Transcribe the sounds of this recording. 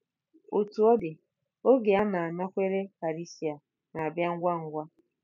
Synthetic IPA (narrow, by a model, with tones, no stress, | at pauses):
o˨tu˨ɔ˦dɪ˨ | o˦ɡe˨a˦na˨a˨na˦kʷe˦ɾe˦fa˨ɾi˦si˨a˨ | na˨a˨bja˦ŋ̩˦ɡʷa˦ŋ̩˦ɡʷa˦